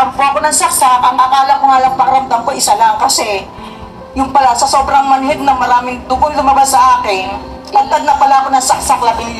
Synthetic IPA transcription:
ɐɡ̚pɾaʔɐkonɐŋsɐk̚sak̚ʔɐŋʔakaːlɐkʊŋalɐŋpaɾɐmd̪ɐŋkoʔɪsalaŋkɐsɛ | jʊŋpɐlasɐso̞ːbɾɐŋmɐnɦɛd̪̚nɐmɐɾaːmɪŋd̪ʊɡonlʊmɐbasːɐʔaːkɪn | lɐɡ̚t̪aɡ̪̚nɐpɐlaʔɐkonɐŋsɐk̚sak̚lɐbɪn

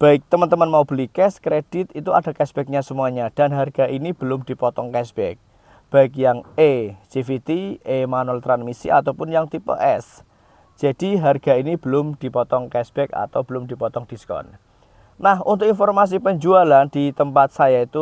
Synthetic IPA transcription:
b̥a̤ɪk̚t̪əmənt̪əmənmaub̥əlikɛskɾed̥ɪt̪it̪uad̥a̤kɛsb̥ɛk̚ɲasəmuaɲad̥a̤nɦarɡ̥aʔinib̥əlʊmd̥i̤pɔt̪ɔŋkɛsb̥ɛk̚ | b̥aɪk̬̚jaŋet͡ʃifit̪iemanuɛlt̪ɾanmisḭʔa̰t̪awpʊnjaŋt̪ipḛʔɛs | d͡ʒ̥a̤d̥iɦarɡ̥ainib̥əlʊmd̥i̤pɔt̪ɔŋkɛsb̥ɛka̰t̪awbəlʊmd̥i̤pɔt̪ɔŋd̥iskɔ̰n | nahṵnt̪ʊkinfɔrmas̬ipəɲd͡ʒualand̥it̪əmpat̪̚sajait̪u

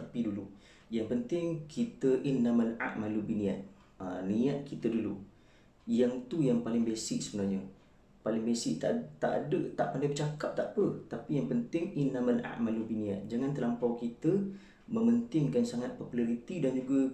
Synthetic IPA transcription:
t̪apidulu | jaŋpənt̪ɪŋkʰit̪əʔinːamənʔa̰ʔmalubinĩat̪̚ | əniat̪̚kit̪ədulu | jaŋt̪ujaŋpalɪŋbesɪʔsəbənaɲə | palɪŋbesɪʔt̪a̰t̪aʔa̰dət̪aʔpandajbət͡ʃakap̚t̪aʔpət̪apijaŋpənt̪ɪŋɪnːamənʔa̰ʔmalubinĩa̰t̪̚d͡ʒaŋãnt̪əlampawkit̪ə | mə̃mənt̪ɪŋkansaŋat̪̚populaɾit̪idand͡ʒuɡa

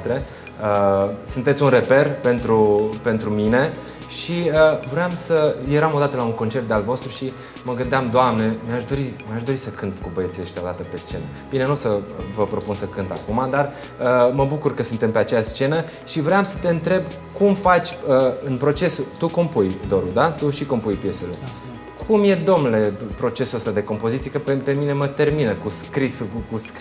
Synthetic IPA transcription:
t̪ɾe | əsɨnt̪e̞t̪sʲunre̞pe̞rpe̞nt̪ɾupe̞nt̪ɾumine̞ | ʃiəvɾeamsəje̞ɾamo̞d̪at̪əlauŋko̞nt͡ʃe̞rt̪̚d̪ealvo̞st̪ɾuʃi | məɡɨnd̪eamd̪oamne̞miaʃd̪o̞ɾimjaʃd̪o̞ɾisəkɨnt̪kubəje̞t̪sieʃit̪aod̪at̪əpe̞st͡ʃe̞nə | bine̞nuosəvəpɾo̞punsəkɨnt̪a̰kumad̪ar | əməbukurkəsunt̪e̞mpe̞at͡ʃejaʃst͡ʃe̞nə | ʃivɾeamsə̥t̪e̞ɨnt̪ɾe̞b | kumfat͡ʃʲəɨnpɾo̞t͡ʃe̞sut̪ukompujd̪o̞ɾud̪at̪uʃiko̞mpujpje̞selḛ | kʰumje̞d̪o̞mnule̞pɾo̞t͡ʃe̞suəst̪ad̪e̞ko̞mpo̞zit̪siekəpepe̞mine̞mət̪e̞rminəkuskɾisukusk

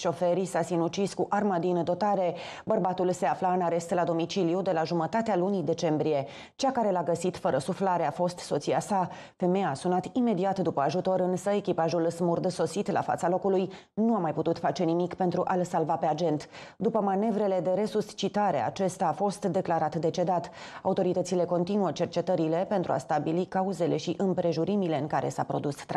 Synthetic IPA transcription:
ʃo̞fe̞ɾisasinut͡ʃiskuʔarmad̪ind̪o̞t̪aɾe̞ | bərbat̪ulse̞aflaɨnaɾe̞st̪lad̪o̞mit͡ʃilijud̪e̞laʒumət̪at̪ealunid̪e̞t͡ʃe̞mbɾije̞ | t͡ʃakaɾe̞laɡəsit̪fəɾəsuflaɾe̞afo̞st̪so̞t̪siasa | fe̞mejaːsunat̪ime̞d̪iat̪d̪upəaʒut̪o̞ɾɨnsəe̞kʲipaʒulsmurd̪so̞sit̪la̰fa̰t̪salo̞kuluj | nuamajput̪ut̪fat͡ʃe̞nimikpe̞nt̪ɾuʔalsalvape̞ad͡ʒe̞nt̪d̪upəmane̞vɾe̞le̞d̪e̞ɾe̞sust͡ʃit̪aɾe̞̰a̰t͡ʃe̞st̪aːfo̞st̪d̪e̞klaɾat̪d̪e̞t͡ʃe̞d̪at̪ | aut̪o̞ɾit̪ət̪sile̞ko̞nt̪inuət͡ʃe̞rt͡ʃe̞t̪əɾile̞pent̪ɾua̰st̪abilikauze̞le̞ʃiʔɨmpɾe̞ʒuɾimile̞ɨŋkaɾe̞sapɾo̞d̪ust̪ː

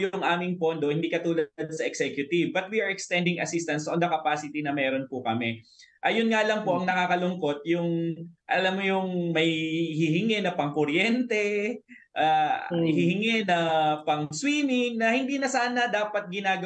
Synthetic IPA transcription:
jʊʊŋʔaːmɪŋpond̪o̞hɪnd̪iːkɐt̪uːlɐɐd̪̚sɐʔɛksɛkjʊt̪ɪvbɐt̪̚wiʔɐɹɛkst̪ɛnd̪ɪŋɐ̰sist̪ɐnsond̪ɐkɐpaːsɪt̪inɐmɛːɾo̞npʊkɐmɛʔɐjʊnŋalɐŋpo̞ʔɐŋnɐkaːkɐlʊŋko̞t̪̚jʊŋʔɐlamːojʊŋmɐjhɪhɪŋɛnɐpɐŋkʊɾjɛnt̪ɛ | ʔahɪhɪŋɛnɐpɐŋswiːmɪŋnɐhɪnd̪iːnɐsaːnɐd̪aːpɐt̪̚ɡɪnaːɡɐ

